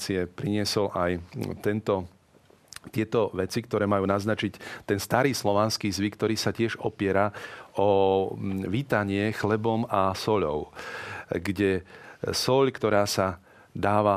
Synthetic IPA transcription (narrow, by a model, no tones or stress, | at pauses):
t͡siɛpɾiɲɪɛsɔlʔajt̪ɛnt̪ɔ | t̪ɪɛt̪ɔʋɛt͡sikt̪ɔɾɛːmajuːnaznat͡ʃict̪ɛnst̪aɾiːslɔʋanskiːzʋikt̪ɔɾiːsacɪɛʒɔpɪɛɾaɔ | ʋiːt̪aɲɪɛxlɛbɔmasɔʎɔ̰ʊ | ɡɟɛsɔʎkt̪ɔɾaːsa | d̪aːʋa